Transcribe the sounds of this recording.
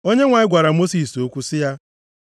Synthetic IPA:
o˦ɲe˦ŋʷa˨ɪ˦ɡʷa˨ɾa˨mo˦si˨so˦kʷu˦sɪ˦ja˦

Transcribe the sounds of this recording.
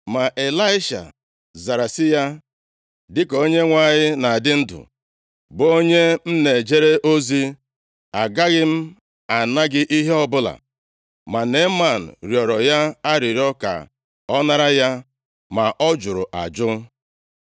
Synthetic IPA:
ma˨ʔe˨la˦ɪ˦ʃa̰˨ | za˨ɾa˨sɪ˦ja˦ | dɪ˦ko˦ɲe˦ŋʷa˨ɲɪ˦na˨dɪ˦n̩˦dʊ̰˨ | bo˦ɲe˦m̩˦ne˨d͡ʒe˦ɾe˦ʔo˦zi˦ | a˨ɡa˦ɣɪ˦m̩˦ | a˨na˦ɡɪ˦ʔi˦ɦe˦ɔ˦bʊ˦la̰˨ | ma˨ne˨˦ma˦˨n̩˨ɾjɔ˨ɾɔ˨ja˦a˦ɾɪ˨ɾi˦ɔ˦ka̰˨ | ɔ˦na˦ɾa˦ja˦ | ma˨ʔɔ˦d͡ʒʊ˨ɾʊ˨ʔa̰˨d͡ʒʊ˦

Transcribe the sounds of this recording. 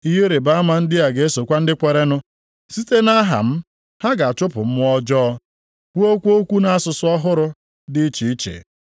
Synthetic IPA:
i˦ɦe˦ɾe˨ba˦a˦ma˨n̩˦dɪ˦ja˨ɡe˨e˦so˨kʷa˦n̩˦dɪ˦kʷe˨ɾe˦nʊ˦ | si˦te˦na˦ɦa̰˨m̩˦ | ha˦ɡa˨a˨t͡ʃʊ˦pʊ̰˨m̩˦m˦ɔ˦d͡ʒɔː˦ | kʷu˦o˦kʷu˦o˦kʷu˦na˨a˦sʊ˨sʊ˦ɔ˦ɦʊ˦ɾʊ˦ | dɪ˦t͡ʃi˨i˦t͡ʃḛ˨

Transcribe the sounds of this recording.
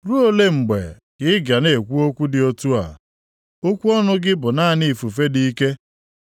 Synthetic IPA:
ɾu˦o˦le˦ŋ͡m̩˨ɡ͡bḛ˨ | kɪ˦ɪ˦ɡa˨ne˨e˨kʷu˦o˦kʷu˦dɪ˨o˨tu˦a̰˨ | o˦kʷu˦ɔ˦nʊ˦ɡɪ˦bʊ˨na˦˨ni˨fu˨fe˦di˦i˦ke˦

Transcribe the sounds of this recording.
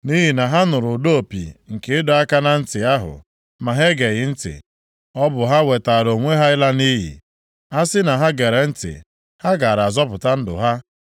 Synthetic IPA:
ni˦ɦi˨na˨ɦa˦nʊ˨ɾʊ˨do˦o˨pḭ˨ŋ̩˨kɪ˦ɪ˦dɔ˦a˦ka˦na˨n̩˦tɪ˨a˦ɦʊ̰˨ | ma˨ɦe˦ɡe˨ɣɪ˨n̩˦tɪ̰˨ | ɔ˦bʊ˨ɦa˦we˨ta˨ɾo˨ŋʷe˦ɦa˦ɪ˦la˦ni˦ɦḭ˨ | a˦sɪ˦na˨ɦa˦ɡe˨ɾe˨n̩˦tɪ̰˨ | ha˦ɡa˨ɾa˨zɔ˦pʊ˨ta˦n̩˦dʊ̰˨ɦa˦

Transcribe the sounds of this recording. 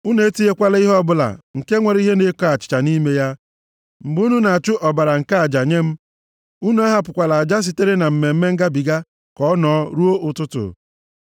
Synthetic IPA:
u˦ne˨˦ti˦e˦kʷa˦la˦i˦ɦɔ˦bʊ˦la̰˨ŋ̩˨ke˦ŋʷe˨ɾi˦ɦe˦ne˦kɔ˦a˨t͡ʃɪ̥˨t͡ʃa˨ni˦me˦ja˦ | m̩˨bu˦nu˦na˨a˨t͡ʃʊ˦ʔɔ˨ba˨ɾa˨ŋ̩˨ka˦a˨d͡ʒa˨ɲe˦m̩˦ | u˦nu˦a˦ɦa˦pʊ˨kʷa˨la˨a˨d͡ʒa˦s̬i˨te˦ɾe˦na˨m̩˨me˨m̩˦me˦ŋ̩˦ɡa˦bi˨ɡa˦ | kɔ˦ɔ˦nɔ˨˦ɾu˦o˦ʔʊ˨tʊ˦tʊ̰˨

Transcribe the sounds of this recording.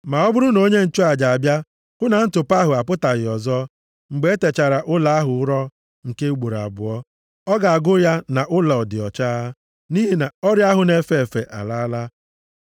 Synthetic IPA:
ma˨ɔ˦bʊ˦ɾʊ˦no˦ɲe˦n̩˨t͡ʃɔ˦a˨d͡ʒa˨a˨bja˦ | kʊ˦na˨˦n̩˦tʊ˨pa˦ɦʊ˨a˨pʊ˦ta˨ɣɪ˨ɔ˨zɔ˦ | ŋ͡m̩˨ɡ͡be˨˦e˦te˨t͡ʃa˨ɾa˨ʔʊ˦la˨a˦ɦʊ˨ʊ˦ɾɔ˦ | ŋ̩˨ke˦ɡ͡bo˨ɾa̰˨bʊ̰˨ɔ˦ | ɔ˦ɡa˨a˨ɡʊ˦ja˦na˨ʔʊ˦la˨ɔ˨dɪ˨ɔ˨t͡ʃa˦ | ni˦ɦi˨na˨ɔ˦ɾja˦ɦʊ˨ne˦fe˨fe˨ʔa̰˨la˦la˦

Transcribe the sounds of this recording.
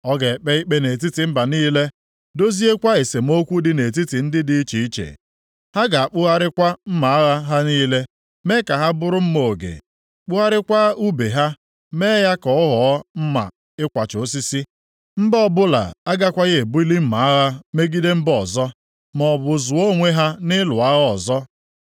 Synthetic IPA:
ɔ˦ɡe˨k͡pe˦i˦k͡pe˦ne˨t̬i˦ti˨m̩˦ba˨niː˦le˦ | do˦zi˦e˦kʷa˦e˨se˨m̩˦o˦kʷu˦dɪ˦ne˨t̬i˦ti˨n̩˦dɪ˦di˦i˦t͡ʃi˨i˦t͡ʃḛ˨ | ha˦ɡa˨a˨k͡pʊ˦ɣa˦ɾɪ˦kʷa˦m̩˦ma˨a˦ɣa˦ɦa˦niː˦le˦ | me˦ka˨ɦa˦bʊ˦ɾʊ˦m̩˦mo˨o˨ɡḛ˨ | k͡pʊ˦ɣa˦ɾɪ˦kʷa˦u˦be˨ɦa˦ | me˦ja˦kɔ˦ɔ˦ɦɔ˨ɔ˦m̩˦ma̰˨ | ɪ˦kʷa˨t͡ʃʊ˨˦s̬i˦si˦ | m̩˦bɔ˦bʊ˦la̰˨a˦ɡa˦kʷa˦ɣe˦e˨bʊ˦i˦li˦m̩˦ma˨a˦ɣa˦me˦ɡi˦de˦m̩˦bɔ˨zɔ˦ | mɔ˨bʊ˨zʊ˨o˦ŋʷe˦ɦa˦nɪ˦lʊ˨a˦ɣɔ˨zɔ˦

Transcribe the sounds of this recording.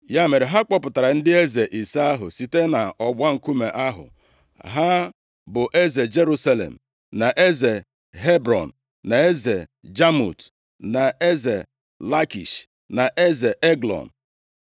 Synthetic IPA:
ja˦me˨ɾe˨ɦa˦k͡pɔ˦pʊ˨ta˨ɾa˨n̩˦dɪ˦e˦ze˨ʔi˨sa˦a˦ɦʊ˨si˨te˦na˨ɔ˨ɡ͡ba˦ŋ̩˨ku˦mḛ˨ʔa˦ɦʊ̰˨ | ɦa˦ | bʊ˨ʔe˦ze˨d͡ʒe˦ɾu˦sa˦lḛ˨m̩˨ | na˨ʔe˦ze˨ | ɦe˦bɾɔ̰˨n̩˨ | na˨e˦ze˨d͡ʒa˦mṵ˨t | na˨e˦ze˨ | la˦kḭ˨ʃ | na˨ʔe˦ze˨ʔe˦ɡlɔ̰˨n̩˨

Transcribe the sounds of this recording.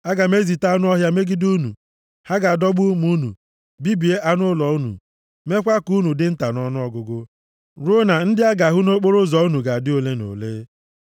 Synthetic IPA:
a˦ɡa˨me˦zi˨ta˦a˦nʊ˦ɔ˦ɦja˦me˦ɡi˦du˦nṵ˨ | ha˦ɡa˨a˨dɔ˦ɡ͡bu˦mu˦nṵ˨ | bi˦bi˨e˦ʔa˦nʊ˦lɔ˨u˦nṵ˨ | me˦kʷa˦ku˦nu˨dɪ˦n̩˦ta˨nɔ˦nʊ˦ɔ˦ɡʊ˨ɡʊ˦ | ɾʊ˦na˨n̩˦dɪ˦a˦ɡa˨ɦʊ˦no˦k͡po˦ɾʊ˦zɔ˨u˦nu˨ɡa˨a˨dɪ˦o˦le˦no̰˨le˦

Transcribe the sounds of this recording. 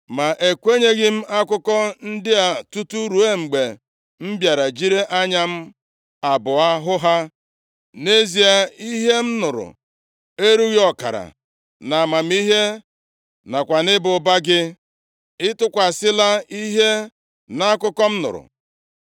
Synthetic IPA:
ma˨ʔe˨kʷe˦ɲe˦ɣɪ˦m̩˦a˦kʊ˦kɔ˦n̩˦dɪ˦a˨tu˦tu˦ɾu˨˦e˦ŋ͡m̩˨ɡ͡be˨ | m̩˦bja˨ɾa˨d͡ʒi˦ɾe˦ʔa˦ɲa˦m̩˦ | a˨bʊ˨a˦ɦʊ˦ɦa˦ | ne˦zi˨a˦i˦ɦe˦m̩˦nʊ˨ɾʊ̰˨ | e˦ɾu˦ɣi˦ɔ˨ka̰˨ɾa̰˨ | na˨ma˨m̩˦i˦ɦe˦ | na˨kʷa˨nɪ˦bʊ˨ba˦ɡɪ˦ | ɪ˦tʊ˦kʷa˨sɪ˦la˦i˦ɦe˦ | na˦kʊ˦kɔ˦m̩˦nʊ̰˨ɾʊ̰˨

